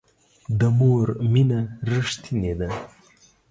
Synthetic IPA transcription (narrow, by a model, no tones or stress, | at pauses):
d̪əmoɾminaɾəʂt̪ʰined̪a